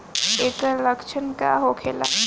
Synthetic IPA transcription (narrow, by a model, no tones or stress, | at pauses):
eːkələkʃʰənkaɦokʰeːla̰